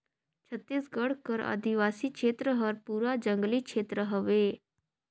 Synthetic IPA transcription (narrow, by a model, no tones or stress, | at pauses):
t͡ɕʰət̪ːesɡəɽkəɾa̰d̪iʋasiːkʂʰet̪ɾəɦəɾpuɾad͡ʑəŋɡliːkʂʰet̪ɾəɦəʋe